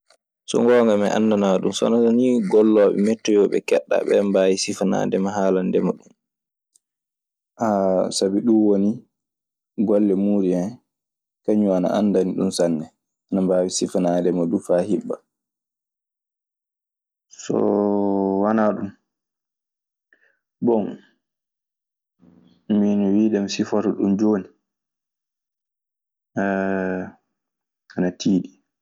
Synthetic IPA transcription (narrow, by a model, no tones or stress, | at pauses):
sɔ̰ŋɡɔːŋɡamɛʔa̰nːdanaɗumsɔnaaniɡɔlːɔɓɛ̰mɛtːɔjɔɓɛ̰kɛɗːa̰ɓɛ̰mbawisifana̰ːdɛmaɦaːlandɛmaɗum | ʔasabiɗuwoni | ɡɔlːɛmuːɾian | kaɲuana̰ʔa̰ndaniɗumsanːɛ | anambaːwisifanadɛmadufahiɓːa | sɔ̰ | wanaɗum | bɔn | minɔwiːɗɛmsifɔɾɔɗumd͡ʒoːni | anatʰiːɗi